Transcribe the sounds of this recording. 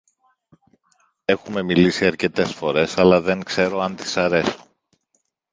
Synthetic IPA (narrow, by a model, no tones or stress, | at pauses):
e̞xume̞milisiɐɾce̞t̪e̞sfo̞ɾe̞sɐlɐðe̞ŋkse̞ɾo̞ɐnt̪i̥sɐɾe̞so̥